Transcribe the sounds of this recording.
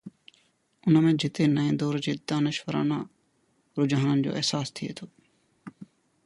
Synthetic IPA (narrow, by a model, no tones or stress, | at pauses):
ʊnmẽːd͡ʑɪt̪eːnəẽːnd̪oːɾd͡ʑeːd̪aːnəʃʋəɾã̰ːnãː | ɾʊd͡ʑaːnənɪd͡ʑo̰ːʔeɦsaːst̪ʰɪḛːt̪ʰoː